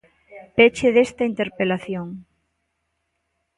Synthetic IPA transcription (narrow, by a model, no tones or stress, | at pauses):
pet͡ʃeðest̪ɐint̪eɾpelaθjoŋ